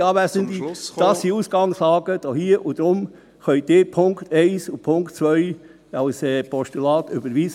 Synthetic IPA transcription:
ɑːʋæzənd̪id̥ɑsiuːsɡ̥ɑŋslɑːɡ̥əd̥ohiəʔud̥̪ɾʊm | χœʏd̪̥ɪːɾpʰʊŋkt̪ʰɛɪsupʰʊŋktt͡sʋœʏ | ɑlsɛːpʰɔʃtulɑːt̪ʏbəɾʋiːs

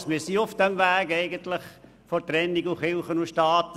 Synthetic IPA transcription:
smɪsiʊfd̥ɛmʋæːɡɛɪɡənt̪lɪχ | fɔtɾɛnːiɡuχɪlχənuʃtɑːt

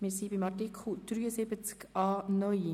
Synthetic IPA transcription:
mɪːɾsibimɑrtikʰχl̩d̪̥ɾyːəsɪbət͡skɑːnœj

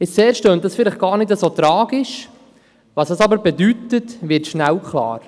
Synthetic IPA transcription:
ɪsseːɾʃtøːnt̚dɑsfɪlɪχɡ̥ɑːɾnɪdɛsot̪ɾɑːɡɪʃ | vɑsɑsɑbəɾbɛdytətvɪɾtʃnæwkʰχlɑ̰ːɾ

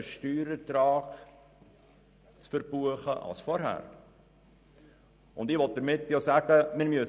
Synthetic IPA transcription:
əʃtyːɾətɾɑːk | t͡sfəɾbuəχəʔɑ̰lsfɔɾɦæ̰ːɾ | ʊnd̪ɪʋɔt̚d̥əɾmɪtːjosæːɡəmɪɾmyə

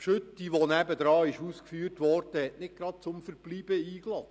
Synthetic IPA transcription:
pʃʏt̪ːiʋonæbəd̪ɾɑːɪʃuːskfyːrtʋɔrd̥əhɛʔnɪk̚ɡ̥ɾɑt̪̚t͡sʊmfəɾb̥liːb̥əiːklɑ

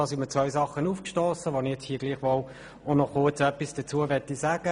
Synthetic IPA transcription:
ɑːsimət͡svœʏsɑχənufkʃtoːsəʋonɪjɛt͡shiːəɡ̥liːχʋɔl | onɔχʊt͡sœpːisd̥ət͡suːəvɛtisaːɡ̥ə

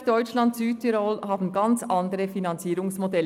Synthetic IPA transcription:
d̥ɔʏt͡ʃlɑntsyːt̚tʰiɾɔlhɑːbn̩ɡɑnt͡sʔɑndəɾəfinɑnt͡siːɾʊŋsmodɛl

